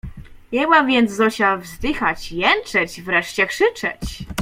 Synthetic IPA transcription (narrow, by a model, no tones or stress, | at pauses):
jɛɡwamvʲjɛnd̪zzɔɕawvzd̪ɘxat͡ɕjɛnt͡ʂɛt͡ɕvɾɛʂt͡ɕɛkʂɘt͡ʂɛ̰t͡ɕ